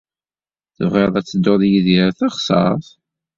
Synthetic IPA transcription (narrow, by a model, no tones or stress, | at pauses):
θəvʁeðˤæt͡sːəd̪ːoðjiðiɾθɑχsˤɑ̰ɾˤθ